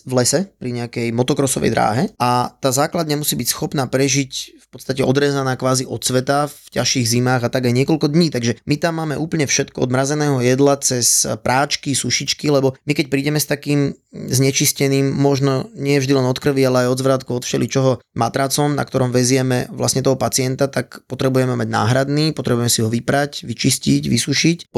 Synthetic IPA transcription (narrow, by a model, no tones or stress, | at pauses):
vlɛsɛpɾiɲɛakɛjmɔt̪ɔkɾɔsɔ̰ʋɛ̰jd̪ɾa̰ːɦɛat̪aːzaːklad̪ɲamusiːbicsxɔpnaːpɾɛʒicfpɔt̪st̪acɛɔd̪ɾɛːzanaːkʋaːziʔɔt̪sʋɛt̪afcaʃiːɣzimaːɣat̪aɡajɲɪɛkɔlkɔd̪ɲiːt̪aɡʒɛmit̪amːaːmɛʔuːpl̩ɲɛfʃɛt̪kɔɔ̰d̪mɾazɛnɛːɦɔjɛd̪lat͡sɛspɾʔaːt͡ʃkisuʃit͡ʃkilɛbɔmikɛc̚pɾiːɟɛmɛst̪akiːm | zɲɛt͡ʃiscɛniːmːɔʒnɔɲɪɛjɛvʒd̪ilɛnɔt̪kr̩ʋialɛajɔd̪zʋɾaːt̪kuɔt̪fʃɛlit͡ʃɔɦɔma̰t̪ɾat͡sɔmna̰k̚t̪ɔɾɔmʋɛzɪɛmɛʋla̰sɲɛt̪ɔɦɔpat͡sɪɛnt̪at̪akpɔt̪ɾɛbujɛmɛmaɟna̰ːɦɾad̪niːpɔt̪ɾɛbujɛmɛsiɦɔʋipɾacʋit͡ʃisciɟʋisuʃic